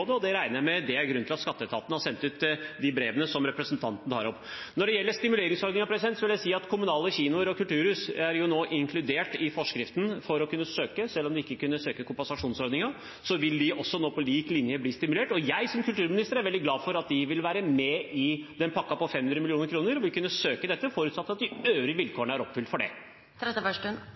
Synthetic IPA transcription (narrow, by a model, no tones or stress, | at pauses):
d̪əɔd̪ɛɾæɪnəjæmɛd̪ɛæɾɡɾʉnt̪ʰɪlɑt̪skɑt̪ːət̪ʰɑ̰ːt̪nəhɑɾsɛnt̪ʉːt̪d̪ɪbɾeːʋənəsɔmɾɛpɾəsnt̪ʰɑnt̪n̩t̪ʰɑ̰ːɾɔpːnɔɖɛjɛlːəʂt̪ɪmʉleːɾɪŋsɔɾnɪŋɑpɾɛsɪd̪ɛnt̪sɔʋɪljæɪsiːɑt̪kʰʊmʉnɑːləçiːnʊəɾɔkʰʉlt̪ʰʉːɾhʉːsæɾjʊnoːʔɪŋkʰlʉd̪eːʈɪfɔʂkɾɪft̪n̩fɔɾɔkʰʉnːəsøːkəsɛlːɔmd̪ɪɪkːəkʉnːəsøːkəkʰʊmpɑnsɑʂuːnsɔɾd̪nɪŋɑ | sɔʋɪld̪ɪʔɔsːɔnoːpɔliːklɪnjəbliːst̪ɪmʉleːʈɔjæɪsɔmkʰʉlt̪ʰʉːɾmɪnɪst̪əɾæɾʋɛld̪ɪɡlɑːfɔɾɑt̪̚d̪ɪʋɪlʋæːɾəmɛɪd̪ɛnpʰɑkːɑpɔfɛmhʉnɾəmɪlɪuːnəɾkʰɾuːnəɾɔʋɪlkʰʉnːəsøːkəd̪ɛt̪ːəfɔːɾʉːt̪sɑt̪ːɑt̪̚d̪ɪøːʋɾɪʋɪlkʰoːəɳəæɾɔpːfʏlt̪fɔɖɛ̰ | ɛfœʂ